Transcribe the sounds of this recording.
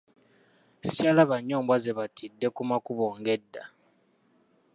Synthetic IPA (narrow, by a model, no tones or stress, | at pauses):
si̥calaβaɲːoːmbwazeβatʰidːe̞kumakuβoːŋɡe̞dːa